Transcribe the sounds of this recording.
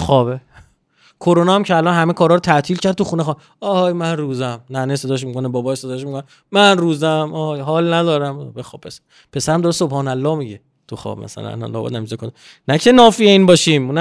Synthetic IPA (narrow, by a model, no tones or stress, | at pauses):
xɒːbe | kʰoɾonɒːæmcʰeælɒnɦæmekʰɒːɾɒːɾot̪ʰæt̪ʰiːlcʰæɾd̪̚t̪uxuːnexɒː | ɒhjmænruːzæmnænese̞d̪ɒːʃmikʰonebɒːbɒːesed̪ɒːeʃ̬mikʰone | mænruːzæmɒhjɦɒːlnæd̪ɒːɾæmbexɔbpʰːesæ | pʰe̞sæɾæmd̪ɒːɾesobhɒːnælːɒːhmiɟe | t̪ʰuxɒ̰ːbmʔæ̰sæ̰læ̰n̰nlɔ̰ːbɒ̰d̪næmizekʰond̪e | næcʰenɒːfieiːnbɒːʃiːmunæ